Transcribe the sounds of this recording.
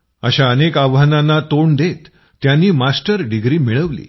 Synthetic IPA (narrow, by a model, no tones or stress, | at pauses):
əɕaənekaʋɦananat̪oɳd̪et̪ː | janːiːmasʈəɾɖiɡɾiːmiɭəʋlḭː